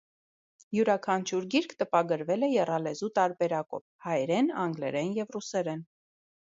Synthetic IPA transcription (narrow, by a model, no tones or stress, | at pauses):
juɾɑkʰɑnt͡ʃʰuɾɡiɾkʰt̪əpɑɡəɾvɛlɛjɛrɑlɛzut̪ɑɾbɛɾɑkɔ̰vhɑjɾɛnɑŋɡlɛ̰ɾɛnjɛvrusɛɾɛn